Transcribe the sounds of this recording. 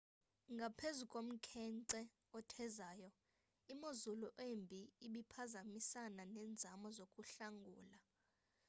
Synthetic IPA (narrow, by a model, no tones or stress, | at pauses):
ŋɡʱapʰezukʼom̩kʰɛnǀɛ | ɔtʰɛzaːjɔ | imozuluʔembʱiiɓipʰazamisananɛːnd͡zʱamɔzokʼuɬaŋɡʱuːla